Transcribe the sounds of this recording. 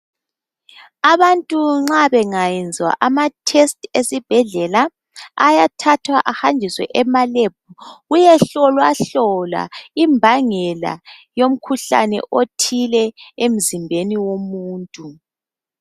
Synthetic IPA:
aβantʼuŋ͡ǁaβɛŋajɛnd͡zʱwa̰ʔamatʰestʼesib̥ʱɛɮɛla | a̰jatʰatʰwaʔahand͡ʒʱiswɛ̰ʔɛmaleb̚ʱuɣujɛɬɔlwaɬɔla̰imbʱaŋɛla̰jom̩kʰuɬa̰nɛ̰ʔotʰilɛem̩zimbʱeniwomuːntʼu

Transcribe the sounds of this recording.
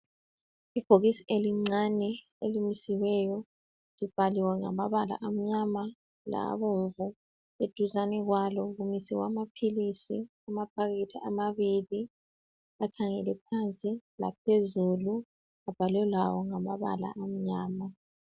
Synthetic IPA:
iɡ̥ʱoɣisiʔeliŋ͡ǀanɛ | elimisiwɛjɔ | lib̥ʱaliwɛŋa̰maβala̰ʔam̩ɲama | la̰βoɱvu | ed̥ʱuzanɛɣwalɔɣumisiwa̰mapʰilisi | amapʰaɣitʰiʔamaβili | akʰaŋɛ̰lɛpʰant͡sʼila̰p̚ʰezulu | ab̥ʱalɛlawɔŋamaβa̰la̰ʔam̩ɲaːma

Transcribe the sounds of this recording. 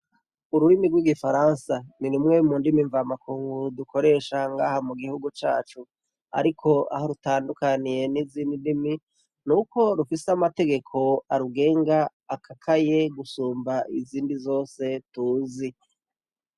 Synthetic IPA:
uɾuɾimiɡwiɡifaɾansaninumŋe̞muːndimiɱvamakuːŋɡudukʰo̞ɾe̞ːʃaŋɡaːhamuɡihuɡut͡ʃa̰ːt͡ʃu | a̰ɾikʰo̞a̰ɦoɾutaːndukanije̞niziːndindimi | nuko̞ɾufiseamate̞ɡe̞kʰo̞aɾuɡe̞ːŋɡaː | kʰakʰaje̞ɡusuːmbaʔiziːndizo̞ːse̞tuːzi

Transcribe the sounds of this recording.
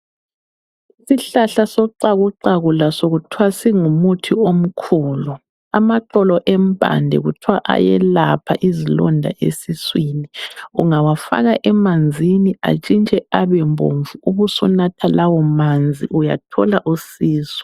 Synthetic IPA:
isiɬaɬasɔǀaɣuǀaɣulasoɣutʰwasiŋumutʰiom̩kʰuːlu | amaǃɔlɔʔɛmbʱa̰ndʱɛ̰ɣutʰiwaʔa̰jɛ̰lapʰa̰ʔizilɔ̰ndʱa̰ʔḛsiswiːniuŋawafa̰ɣaʔɛmand͡zʱinia̰t͡ʃʼint͡ʃʼɛaβɛmbʱo̰ɱvʱuuβusunatʰalawɔmand͡zʱḭʔuja̰tʰɔ̰laʔusiːsɔ̥

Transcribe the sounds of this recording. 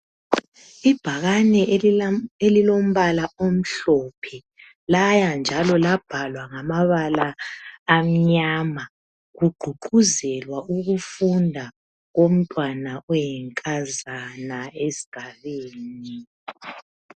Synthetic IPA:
ib̥ʱaɣanɛ | elilom̩βalaom̩ɬɔpʰɛ | lajand͡ʒʱalɔlab̥ʱalwaŋamaβalaː | m̩ɲaːma | ɣuɡ͡ǃʱuǃuzɛlwauɣufundʱa | ɣom̩tʼwanaɔjɛŋkʼazanaesi̥ɡ̥ʱaβeːni

